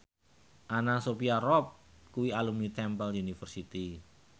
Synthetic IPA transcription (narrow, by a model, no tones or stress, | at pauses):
ʔanasopiarɔp̚kuwialumnit̪ɛmpəlunifərsit̪i